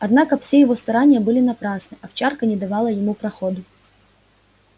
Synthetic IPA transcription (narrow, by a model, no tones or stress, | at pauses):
ɐd̪nɑkɐfsʲejɪʋɔst̪ɐɾanʲɪjɐbɨlʲɪnɐpɾɑsnɨʔɐft͡ʃɑrkɐnʲɪd̪ɐʋɑlˠɐjɪmupɾɐxɔd̪ʊ